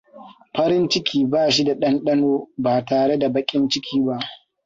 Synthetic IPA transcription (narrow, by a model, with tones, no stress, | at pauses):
ɸɐ˦ɾɪ˦nt͡ʃɪ˦kʲiː˦baː˦˨ʃ̬i˦da˨ɗɐ˦nɗɐ˦noː˦baː˨taː˨ɽe˦da˨bɐ˦kʲʼɪ˦nt͡ʃɪ˦kʲiː˦ba˦ʔ